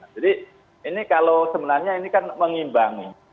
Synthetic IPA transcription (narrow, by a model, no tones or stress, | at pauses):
ad͡ʒadi | inikalosəbənahɲainikanməŋimbaŋi